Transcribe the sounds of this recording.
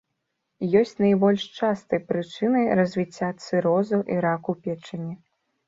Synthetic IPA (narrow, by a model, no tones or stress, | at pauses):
jɔsʲt͡sʲnɐjbɔlʲʂt͡ʂast̪ɨjpɾɨt͡ʂɨnɨɾɐzʲvʲit͡sʲːat̪sɨɾɔzɐwʔiɾakupʲɛt͡ʂɨnʲi